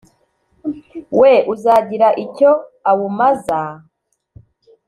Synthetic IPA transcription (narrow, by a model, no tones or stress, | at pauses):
weʔuzaːɟiɾaʔico̞awumaza